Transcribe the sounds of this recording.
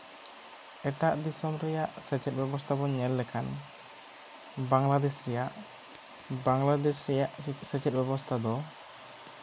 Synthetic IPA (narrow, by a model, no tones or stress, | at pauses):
ɛʈaʔd̪isɔmɾɛjaʔsɛt͡ʃɛt̪̚ˀbɛbɔst̪ʰabɔɲɛlːɛkʰan | baŋlad̪ɛsɾɛjaʔ | baŋlad̪ɛsɾɛjaʔsɛt͡ʃɛt̪̚bɛbɔst̪ʰad̪ɔ